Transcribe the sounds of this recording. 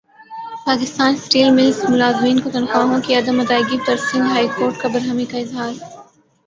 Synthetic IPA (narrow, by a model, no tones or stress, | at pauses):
paːkɪst̪aːnsʈiːlmɪlsmʊlaːzmiːnkot̪ɐnxaːɦõkiɐd̪əmːɐt̪aːɪɡit̪ɐɾsĩːnd̪ɦaːikoːɾʈ̚kabɐɾɦəmikaɪzɦaːɾ